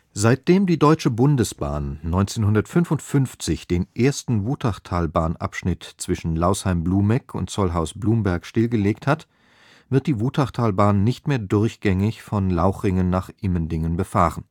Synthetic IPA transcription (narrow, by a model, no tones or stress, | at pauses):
z̥aɪt̚d̥eːmdiːdɔʏt͡ʃəbʊndəsb̥a̰ːnːɔʏnt͡seːnhʊndɐtfʏnfʊntfʏnft͡sɪçd̥eːnʔeːɐstn̩vuːtʰaχtʰaːlbaːnʔa̰pʃnɪtt͡sv̥ɪʃn̩laʊshaɪmbluːmɛkʰʊ̰ntt͡sɔlɦaʊsb̥luːmbɛɐkʃtɪlɡəleːkthat | v̥ɪɐt̚d̥iːvuːtʰaχtʰaːlbaːnːɪçtmeːɐdʊɐçɡ̥ɛŋɪçfɔnlaʊxʁɪŋənːaːχʔɪməndɪŋənbəfaːʁən